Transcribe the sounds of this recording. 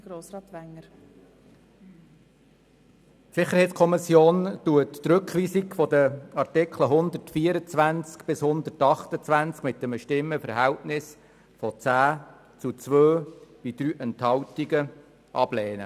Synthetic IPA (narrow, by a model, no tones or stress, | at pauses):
ɡ̥ɾoːsɾɑːt̪ʋæŋːəɾ | sɪχːəɾhɛjtskʰɔmɪsjoːntuəttɾɵkχʋiːsikfɔd̪əɑɾtɪkʰləɦʊnd̪ətfiːəɾət͡sʋænt͡skb̥ɪshʊnd̪ətɑχt̪ət͡sʋænt͡skmɪtːəməʃtɪmːəfəɾɦæwtnɪs | fɔt͡sæː | t͡sut͡sʋøːb̥id̪ɾyːʔɛnthɑwtiɡə | ʔɑb̥leːnə̰